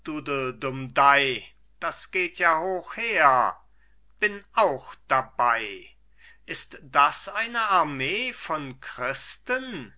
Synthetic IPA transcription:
d̥uːdədʊmdaɪ | d̥asɡ̥eːtʰjaːhoːxheːɐ | b̥ɪnʔaʊxd̥abaɪ | ʔɪstd̥asʔaɪnəʔaɐmeːfɔnkʁ̥ɪstən

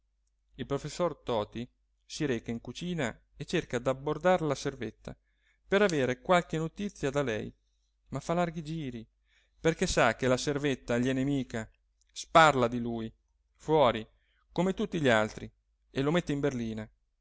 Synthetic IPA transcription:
ilpɾofesːort̪ɔːt̪i | siɾeːkaiŋkut͡ʃiːna | et͡ʃːerkad̪abːord̪aɾlaservet̪ːa̰ | peɾaveːɾekwalk̟enot̪it̪sːjad̪alɛ̰j | mafːalarɡid͡ʒiːɾi | perkɛsak̟ːelaservet̪ːaʎiɛnemiːka | sparlad̪iluj | fwɔːɾi | komet̪ut̪ːiʎialt̪ɾi | elomet̪ːeimberliːna

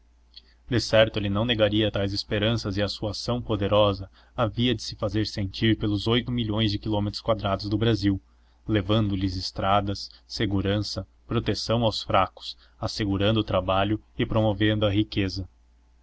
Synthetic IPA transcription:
d̪esɛɾt̪ʊelɪnɐ̃w̃neɡaɾiɐt̪ajzespeɾɐ̃sɐzɪasuasɐ̃w̃pod̪eɾɔzɐ | aviɐd͡ʒɪsɪ̥fazeɾsẽnt͡ʃiɾpelʊzojt̪ʊmiʎõj̃zd͡ʒɪkilomet̪ɾʊskwad̪ɾad̪ʊzd̪ʊbɾaziw | levɐ̃nd̪ʊlɪzɪst̪ɾad̪ɐsːeɡuɾɐ̃sɐ | pɾot̪esɐ̃w̃awsfɾakʊ̥s | aseɡuɾɐ̃nd̪ʊːt̪ɾabaʎʊɪpɾomovẽnd̪ʊɐɦikezɐ

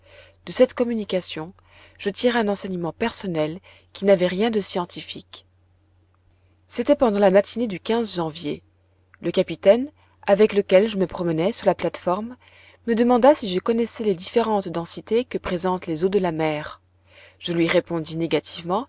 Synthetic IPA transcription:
d̪̥əsɛt̪kɔmynikasjɔ̃ | ʒ̥ət̪iʁeɛ̃nɑ̃sɛɲəmɑ̃pɛʁsɔnɛl | kʲinavɛʁjɛ̃d̪əsjɑ̃t̪ʰifik | set̪ɛpɑ̃d̪ɑ̃lamat̪ʰined̪ykʲɛ̃zʒɑ̃vjḛ | ləkapit̪ɛn | avɛkləkʲɛlʒəməpχɔmənɛsyʁlaplat̪fɔʁmː | əd̪əmɑ̃d̪asiʒəkɔnɛsɛled̪ifeʁɑ̃t̪d̪ɑ̃sit̪ekəpχezɑ̃t̪lezod̪əlamɛːʁ | ʒ̥əlɥiʁepɔ̃d̪ineɡat̪ʰivmɑ̃

